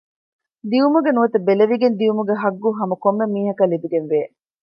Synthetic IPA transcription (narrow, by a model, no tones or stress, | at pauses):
d̪iumuɡenuʋɐt̪ɐbeleʋiɡend̪iumuɡeɦɐɡːuɦɐmɐkomːemiːɦɐkɐlibiɡenʋeː